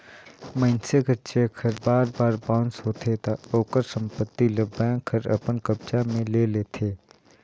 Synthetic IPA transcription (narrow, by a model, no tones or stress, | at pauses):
mənseɡəɾt͡ʃekʰəɾbaːɾbaːɾbãːnsɦoːt̪ʰet̪aoːkəɾsə̃mpət̪ːiləbːãkʰəɾə̰pənkəb̚t͡ʃamẽleːleːt̪ʰeː